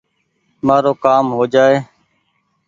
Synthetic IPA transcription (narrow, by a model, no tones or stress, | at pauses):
maːɾoːkaːmɦoːd͡ʒaːeː